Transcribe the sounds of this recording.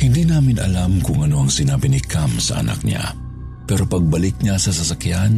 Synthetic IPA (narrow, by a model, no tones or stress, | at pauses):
hɪnd̪inaːmɪnɐ̰lamkʊŋɐno̞ɐŋsɪnaːbɪnɪkʰamsɐ̰ʔɐ̰na̰k̚ɲa̰ | pɛːɾo̞pɐɡ̚bɐlɪk̚ɲasɐsɐsɐkjan